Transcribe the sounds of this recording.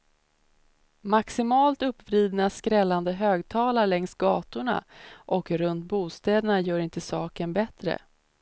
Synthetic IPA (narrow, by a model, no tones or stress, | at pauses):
maksɪmɑːlt̪ɵpːvɾiːd̪naskɾɛlːand̪əɦøːɡt̪ʰɑːlaɭɛŋst̪̚ɡɑːt̪ʊɳa̰ʔɔkɾɵnt̪̚buːst̪ɛːd̪əɳajœːɾɪnt̪əsɑːkənbɛt̪ɾə̰